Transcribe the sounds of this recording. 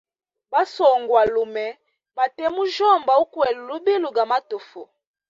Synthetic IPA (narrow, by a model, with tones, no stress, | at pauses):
ba˦sɔ˨ŋɡwa˨lu˨mɛ˨ | ma˨tɛ˦mu˦ʒɔ˦˨mba˨u˦kwɛ˨lu˨lu˦bi˦lu˨ɡa˨ma˦to˨fu˨